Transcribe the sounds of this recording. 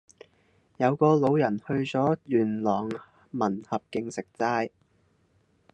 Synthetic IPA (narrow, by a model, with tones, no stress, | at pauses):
jɐ˨˧wkɔː˧lo˨˧wjɐ˨˩nhɵ˧ɥt͡sɔː˨˥jyː˨˩nlɔː˨˩ŋ | mɐ˨˩nhɐ˨p̚kɪ˧ŋsɪ˨k̚t͡saː˧j